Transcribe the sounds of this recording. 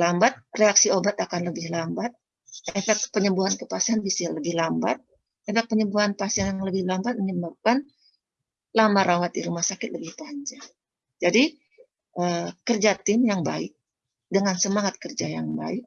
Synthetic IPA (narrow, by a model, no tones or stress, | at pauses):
lambat̪̚reaksiobat̪akanləbɪhlambat̪̚ | ʔefɛk̚t̪̚pəɲəmbuɦankəpasianbisiləbɪhlambat̪̚ | efɛk̚pəɲəmbuɦanpasianjaŋləbɪhlambat̪̚məɲəmbap̚kan | lamaɾawat̪̚diɾumahsakɪt̪̚ləbɪhpaɲd͡ʒaŋ | d͡ʒadi | ʔəkərd͡ʒat̪ɪmjaŋbaɪk̚ | dəŋansəmaŋat̪̚kərd͡ʒajaŋba̰ɪk̚